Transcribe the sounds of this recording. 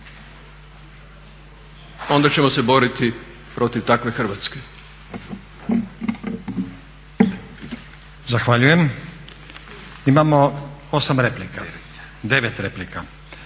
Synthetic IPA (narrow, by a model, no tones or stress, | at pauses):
o̞nd̪at͡ɕemo̞se̞bo̞ɾit̪i | pɾo̞t̪iʋt̪akʋe̞xr̩ʋat̪ske | zaxʋaʎuje̞m | imamo̞o̞samɾe̞plika | d̪e̞ʋet̪ɾe̞plika